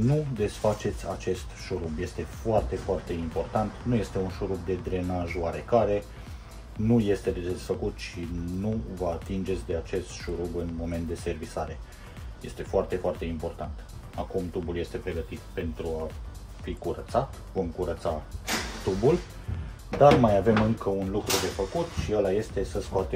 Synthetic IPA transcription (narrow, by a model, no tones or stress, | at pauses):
nud̪e̞sfat͡ʃe̞t̪sʲa̰t͡ʃe̞st̪ʃuɾubje̞st̪e̞foart̪e̞foart̪e̞impo̞rt̪ant̪nuje̞st̪e̞unʃuɾub̚d̪e̞d̪ɾe̞naʒoaɾe̞kaɾe̞ | nuje̞st̪e̞d̪ed̪e̞sfəkut̪ʃinuvəat̪ind͡ʒe̞t̪sʲd̪e̞at͡ʃe̞st̪ʃuɾubɨnmo̞me̞nt̪̚d̪e̞se̞rvisaɾe̞ | je̞st̪e̞foart̪e̞foart̪e̞impo̞rt̪ant̪ | akumt̪ubulje̞st̪e̞pɾe̞ɡət̪it̪pe̞nt̪ɾua | fikuɾət̪sat̪ | vo̞mkuɾət̪sat̪ubul | d̪armajave̞mɨŋkəunlukɾud̪e̞fəkut̪ʃiəlaje̞st̪e̞səskoat̪e